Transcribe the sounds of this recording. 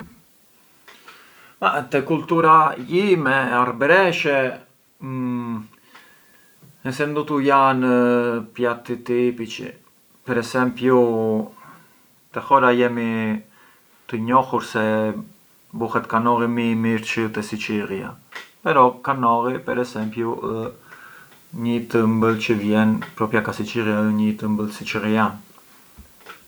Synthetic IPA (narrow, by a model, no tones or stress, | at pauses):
at̪ɛkult̪uɾajimɛaɾbɾɛʃɛ | ɛsɛnd̪ut̪ujanpjat̪it̪ipit͡ʃḭ | pɛɾɛsɛmpju | t̪ɛxɔɾajɛmi | t̪əɲɔhuɾsɛ | buhɛt̪kanɔɾimimiɾt͡ʃət̪ɛsit͡ʃiria̰pɛɾɔkanɔɾipɛɾɛsɛmpju | ɲət̪əmbəlt͡ʃəvjɛnpɾɔpjakasit͡ʃiɾjaəɲət̪əmbəlsit͡ʃəɾian